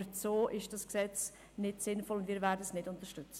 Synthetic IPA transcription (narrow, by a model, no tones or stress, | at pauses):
t͡soːʔɪʃd̥ɑsksɛt͡s | nɪtsɪnfɔlʊndviːɾvɛːɾdəsnɪdʊntəɾʃtʏt͡sə